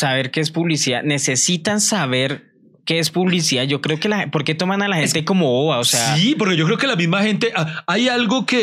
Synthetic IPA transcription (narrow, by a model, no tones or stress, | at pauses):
saβe̞ɾke̞espuβlisia̰ne̞se̞sit̪ansaβe̞ɾ | ke̞espuβlis̬iaʝo̞kɾe̞o̞ke̞laxepo̞ɾke̞t̪o̞manalaxent̪e̞ko̞mo̞βoβaoseaipoɾke̞ʝokɾeo̞kelamizmaxe̞nt̪e̞ʔaajalɡo̞ke